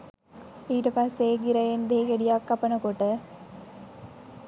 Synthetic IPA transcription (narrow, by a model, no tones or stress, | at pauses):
iːʈɐpasːeɡiɾɐjend̪eikeɖijakːɐpənəkoʈə